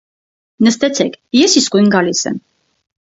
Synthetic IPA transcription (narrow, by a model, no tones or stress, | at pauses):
nəst̪ɛt͡sʰɛkʰjɛsiskujnɡɑlisɛ̰m